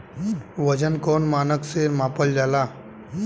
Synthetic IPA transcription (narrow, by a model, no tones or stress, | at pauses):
ʋəd͡ʒənkɔːnmaːnəksemaːpəld͡ʒaːlaː